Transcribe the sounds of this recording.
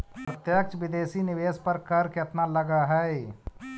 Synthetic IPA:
pɾət̪jək̚t͡ʃʋɪd̪eːsinɪʋeːspəɾkəɾkət̪naləɡaɦɛe

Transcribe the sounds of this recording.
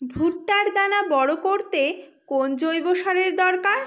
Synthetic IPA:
bʱuʈːaɾd̪anabɔɽokoɾt̪e | kond͡ʑojboʃaɾeɾd̪ɔɾkaɾ

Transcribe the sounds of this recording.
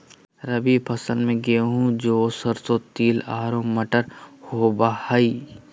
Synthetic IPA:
ɾəbipʰɐsənmẽɡeɦũd͡ʒoːsəɾsot̪iːlaːɾõmɐʈəɾhoːbahai

